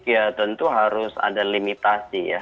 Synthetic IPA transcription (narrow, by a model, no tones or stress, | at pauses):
kiat̪ənt̪uɦaɾʊsa̰dalimit̪asija̰